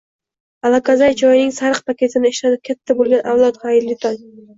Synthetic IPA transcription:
alakʰazajt͡ʃʰɒjɪnɪŋsaɾɨq̚pʰakʲe̞t̪ʰɪnɪeʃlanɪp̚kʲʰat̪ʰːabolˠɡʲanʔawlˠɒt̪hajɾlːɪt̪ʰan

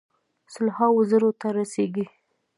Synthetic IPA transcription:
sʊlhawozəɾot̪aɾaseɡi

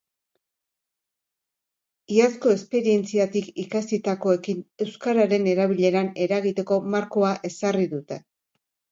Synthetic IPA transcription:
iasko̞espe̞ɾie̞nt͡siat̪ikikasit̪ako̞e̞kine̞wskaɾaɾe̞ne̞ɾaβ̞iʎe̞ɾane̞ɾaɣit̪e̞ko̞maɾko̞aʔe̞sariðut̪e̞

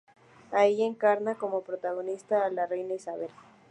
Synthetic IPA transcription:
ajie̞ŋkaɾnako̞mo̞pɾot̪aɣ̞o̞nist̪aːlare̞jnaisaβel

